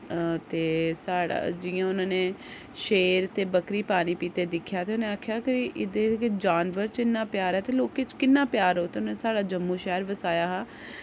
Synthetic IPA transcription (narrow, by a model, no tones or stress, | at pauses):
t̪eːsaːa̰d͡ʒɪjãːʊnãːneː | ʃeːɾt̪eːbəkɾiːpaːniːpiːt̪eːd̪ɪkʰːjaːt̪eːʊnẽːaːkʰːjaːkəiʔɪd̪eːkd͡ʒaːnʋəɾt͡ʃɪnːãːpjaːɾɛːt̪eːloːkeːt͡ʃkɪnːãːpjaːɾoːt̪eːʊnaːneːsaːɽaːd͡ʒəmːuːʃɛːɾʋəsaːjaːɦaː